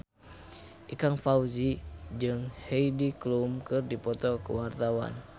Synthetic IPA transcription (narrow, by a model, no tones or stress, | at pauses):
ʔikaŋfauzid͡ʒɨŋheidiklumkɨrdipɔt̪ɔkə̰wart̪awa̰n